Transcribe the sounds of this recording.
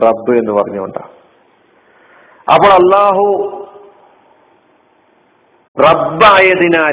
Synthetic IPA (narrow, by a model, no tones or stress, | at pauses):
rɐbːɨe̞nːɨpɐrɐɲːuuɳɖa̰ː | ɐ̰pːoɭɐlːaːɦu | rɐbːaːjɐðinaː